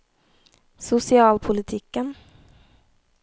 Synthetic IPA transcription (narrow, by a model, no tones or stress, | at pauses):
sʊsɪɑːlpʰʊlɪt̪ʰiːkːən